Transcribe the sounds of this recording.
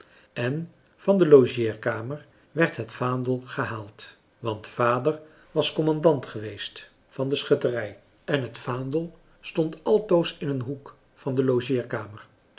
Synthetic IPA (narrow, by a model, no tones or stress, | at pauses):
ɛn | v̥ɑndəlowʒɪːɹkaːməɹ | ʋɛɹtɦətfaːndəlˠχəɦaːlˠt | ʋɑntfaːdəɹ | ʋɑskɔmɑndɑntχəʋejst | fɑndəsχɵtərɛj | ʔɛnɦətfaːndəlˠ | stɔntɑlˠtowsɪnənɦuk | fɑndəlowʒɪːɹkaːmər